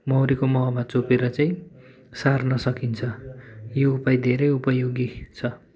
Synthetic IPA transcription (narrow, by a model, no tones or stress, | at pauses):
mʌwɾikomʌɦʌmat͡sopeɾʌt͡saĩ | sarnʌsʌkint͡sʰʌjoupajd̪ʱeɾʌjupʌjoɡit͡sʰʌ